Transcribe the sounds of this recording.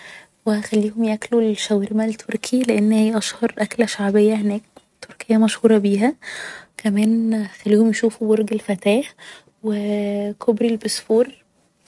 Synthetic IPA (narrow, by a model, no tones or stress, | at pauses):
wexælːiːhomjæklulʃæwɾemælt̪ʰoɾkʰileʔenːhejːæʔɑʃhɑɾˤʔæklæʃaʕbejːæhenæːk̚ | t̪ʰːoɾkejːæmæʃhuːɾˤɑbiːɦækʰæmæːnxælːiːhomjeʃuːfuboɾˤɡelfæt̪æːħ | wekʰobɾilbesfuːɾ